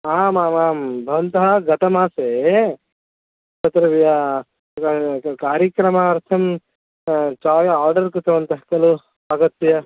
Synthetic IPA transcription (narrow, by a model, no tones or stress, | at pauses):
aːmaːmaːmbʱɐʋɐnt̪ɐɦɐɡɐt̪ɐmaːseː | t͡ʃɐt̪ɾɐʋija | kaːɾjɐkɾɐmɐːɾt̪ʰɐm | t͡ʃaːjɐaːɾɖɐɾkut̪ɐʋɐnt̪ɐɦɐkɐlu | ɐɡɐt̪ːjɐ